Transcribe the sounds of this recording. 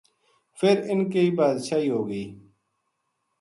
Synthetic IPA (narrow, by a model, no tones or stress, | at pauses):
fɪɾɪnkeiːbaːd̪ʃaːɦiːɦoːɡəiː